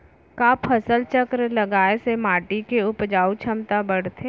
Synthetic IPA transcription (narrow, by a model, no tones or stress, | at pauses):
kaːpʰɐsəlt͡ʃəkɾlɐɡaːesemaːʈikeʊpd͡ʒaːut͡ʃʰɐmt̪abɐɽ̤t̪ʰe